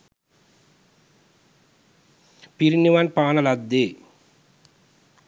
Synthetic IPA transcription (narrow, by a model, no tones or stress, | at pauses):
piɾiniʋanpaːnɐlɐd̪ːe